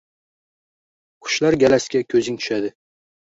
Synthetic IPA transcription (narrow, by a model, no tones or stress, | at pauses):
qʰʊ̥ʃlɑɾɡʲɛlæskʲɛkʲʰɵzɪŋt̪ʰy̥ʃæd̪ɪ